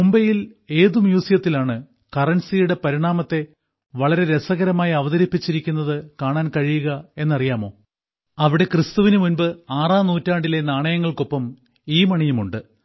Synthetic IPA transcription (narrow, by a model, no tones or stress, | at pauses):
mumbɐjile̞ːðumjuːsijɐt̪ːilaːɳɨ | kɐrɐnsijuɽe̞pɐɾiɳaːmɐt̪ːe̞ | ʋɐɭɐɾe̞ɾe̞sɐɣɐɾɐmaːjiɐʋɐðɐɾipːit͡ɕːiɾikʲːunːɐðɨkaːɳaːnkɐɻijuɣɐe̞nːɐrijaːmo̞ː | ɐʋiɽe̞krɨst̪uʋinɨmunbɨaːraːnuːtːaːɳɖilenaːɳɐjɐŋːɐɭko̞pːɐm | iːmɐɳijumuɳɖɨ